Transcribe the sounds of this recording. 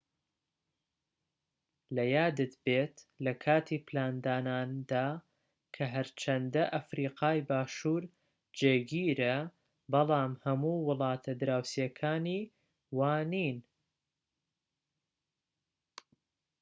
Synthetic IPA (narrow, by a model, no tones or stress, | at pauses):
lɐjaːd̪ɨt̪beːt̪lɐkʰaːt̪ʰiːplaːnd̪aːnaːnd̪aː | kʰɐɦɐɾt͡ʃʰɐnd̪ɐʔɐfɾiːqɑːjbaːʃuːɾ | d͡ʒeːɡiːɾɐ | bɑlˠɑːmhɐmuːwʊlˠɑːt̪ʰɐd̪ɾaːwsijɐkʰaːniː | waːniːn